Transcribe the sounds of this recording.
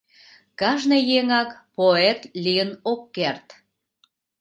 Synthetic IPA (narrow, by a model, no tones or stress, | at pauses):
kɑʒnɤjeŋɑkpoet̪lʲiənokːert̪